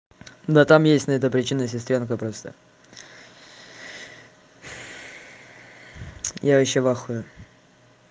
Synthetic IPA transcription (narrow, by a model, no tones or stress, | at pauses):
d̪at̪amjesʲtʲnəɛt̪əpɾʲɪt͡ɕinːəs̬ʲɪst̪ɾʲonkəpɾost̪ə̰ | jaɪɕːevaxʊjʊ